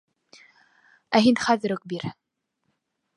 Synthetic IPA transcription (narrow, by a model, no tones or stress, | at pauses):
æɦinχæðɘɾɵk̚biɾ